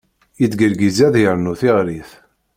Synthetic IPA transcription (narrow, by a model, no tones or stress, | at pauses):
jit͡sɡəɾɡizæðjəɾnuθiʁɾiθ